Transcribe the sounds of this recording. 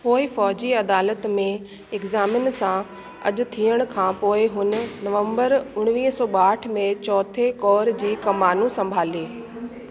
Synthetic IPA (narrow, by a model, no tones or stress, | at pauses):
poːɪfɔːd͡ʑiɐd̪aːlət̪mẽ | ɪkzaːmɪnsã | ɐ̰ʄʊ̆t̪ʰiːəɽ̃ʊ̆kʰãːpoːɪɦʊnʊ̆nɐʋə̃mbəɾʊɽ̃ʋiːɦsɔːɓaːʈʰmẽt͡ɕɔːt̪ʰekɔːɾd͡ʑiːkɐmaːnũsɐ̃mbʱaːliː